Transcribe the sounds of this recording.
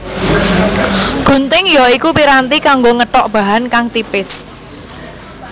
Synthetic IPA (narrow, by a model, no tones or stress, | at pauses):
ɡ̥ṳnt̪ɪŋjɔikupiɾant̪ikaŋɡoŋəʈɔʔb̥a̤ɦankaŋt̪ipɪs